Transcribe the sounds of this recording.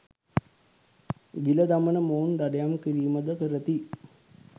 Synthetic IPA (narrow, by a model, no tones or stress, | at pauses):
ɡilɐd̪ɐmɐnəmoːnd̪ɐɖɐjamkiɾijumɐd̪əkəɾɐt̪i